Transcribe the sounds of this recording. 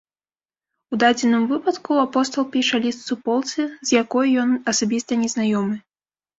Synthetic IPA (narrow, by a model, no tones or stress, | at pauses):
ud̪ad͡zʲɛnɨmvɨpɐt̪kuapɔst̪ɐlˠpʲiʂɐlʲist̪supɔlˠt̪sɨzjakɔjjɔnɐsabʲist̪ɐnʲɛznajɔmɨ